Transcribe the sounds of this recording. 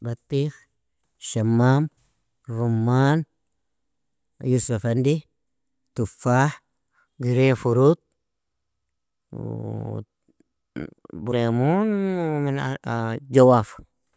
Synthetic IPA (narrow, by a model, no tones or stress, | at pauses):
bat̪ːix | ʃamːam | ɾumːaːn | jusafandi | t̪ufːaħ | ɡiɾefuɾut̪̚ | buɾemunmind͡ʒawaf